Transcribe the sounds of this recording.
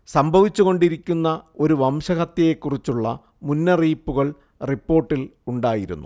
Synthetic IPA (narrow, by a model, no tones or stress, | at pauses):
sɐmbʱɐʋit͡ɕːuɣo̞ɳɖiɾikʲːunːɐo̞ɾuʋɐmɕɐkɐt̪jɐjekːurit͡ɕːuɭːɐ̰ | munːɐriːpːuɣɐɭ | ripːo̞ːrʈːiluɳɖaːjiɾṵnːṵ